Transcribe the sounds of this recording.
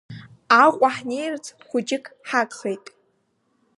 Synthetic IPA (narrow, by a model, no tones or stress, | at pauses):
aqʷʼaħnejrt͡sʰʼχʷʊd͡ʒɪkʰħakʼχejtʼ